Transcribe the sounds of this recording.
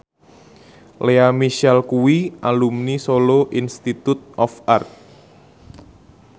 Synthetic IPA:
leamiʃɛlkuwiʔalumnisoloʔinst̪it̪ʊt̪̚ʔɔfart̪̚

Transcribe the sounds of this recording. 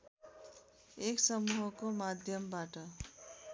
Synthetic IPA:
eksʌmuɦʌkomad̪ʱjʌmbaʈʌ

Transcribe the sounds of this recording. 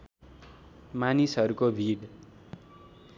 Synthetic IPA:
manisɦʌɾukobʱiɽ

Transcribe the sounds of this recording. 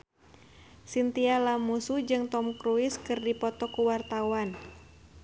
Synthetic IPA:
sint̪ialamusud͡ʒɨŋt̪ɔmkɾuɪskɨrdipɔt̪ɔkuwart̪awan

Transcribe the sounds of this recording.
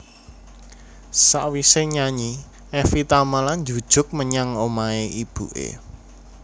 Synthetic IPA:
sa̰ʔwiseɲaɲi | ɛfit̪amaland͡ʒṳd̥ʒ̥ʊ̤k̚məɲaŋomaeib̥ṵʔḛ

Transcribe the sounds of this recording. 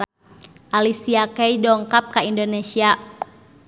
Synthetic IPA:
ʔalisiakɛjdɔŋkap̚kaindonesia

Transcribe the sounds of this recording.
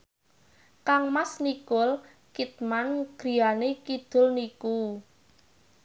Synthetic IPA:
kaŋmasnikʊl | kit̪̚manɡ̥ɾi̤janekid̪̥ʊ̤lniku

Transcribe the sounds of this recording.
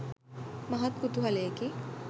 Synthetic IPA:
mɐɦɐt̪̚kut̪uɦɐleki

